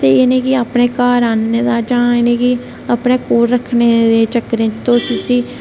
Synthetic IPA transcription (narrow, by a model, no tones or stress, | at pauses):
t̪eːeːnẽːkɪaːpɽeːkaːɾaːnːeːd̪aːd͡ʒãːeːnẽːkɪ | aːpneːkoːɾːəkʰneːd̪eːt͡ʃəkːəɾẽːt̪õːsiːsiː